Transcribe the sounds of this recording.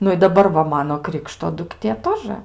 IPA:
ˈnʊ ɪ dɐˈbɐr ʋɐ ˈmɑːnoː ˈkrʲɪkʃtoː dʊkˈtʲeː ˈtoːʒə

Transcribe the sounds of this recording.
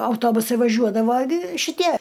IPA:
ɐʊˈtoːbʊsɐɪ ʋɐˈʒʲuɔdɐʋɐ ɡʲɪ ʃʲɪˈtʲiɛ

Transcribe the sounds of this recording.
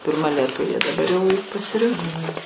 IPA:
pʲɪrˈmɐ lʲiɛˈtʊʋʲeː dɐˈbɐr jɛʊ pɐsʲɪˈrʲɪŋkoː

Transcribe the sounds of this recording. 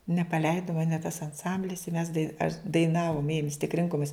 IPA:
nʲɛpɐˈlʲɛɪdʊ ˈmɑːnʲɛ tɐs ɐnˈsɐmʲbʲlʲɪs ɪ mʲɛs dɐɪ ɐʃ dɐɪˈnɑːʋʊm ˈeːjʊm ʋʲɪs tʲɪk ˈrʲɪŋkoːmʲɪs

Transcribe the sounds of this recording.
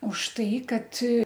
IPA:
ʊʃ ˈtɐɪ ˈkɐt

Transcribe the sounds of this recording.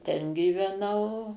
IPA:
ˈtʲɛn ɡʲiːʋʲɛˈnɐʊ

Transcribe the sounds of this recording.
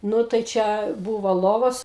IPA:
ˈnʊ tɐɪ ˈt͡ʃʲɛ ˈbuːʋoː ˈlˠoːʋoːs

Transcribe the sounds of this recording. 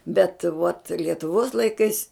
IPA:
bʲɛt ʋuɔt lʲiɛtʊˈʋuɔs lˠɐɪˈkɐɪs

